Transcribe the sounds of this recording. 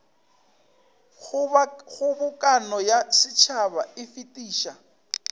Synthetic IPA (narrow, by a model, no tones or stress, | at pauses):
χʊbʊkʼanɔjasɪt͡ʃʰaβaɪfitʼiːʃa